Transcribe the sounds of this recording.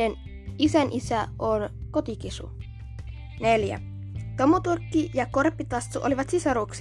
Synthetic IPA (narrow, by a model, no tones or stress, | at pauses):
en | isænʔisæonko̞t̪ikisṵ | ne̞ljæ̰ | t̪o̞mut̪urkːijɑko̞rpːit̪ɑst̪ːuʔoliʋɑt̪sisɑɾuːksi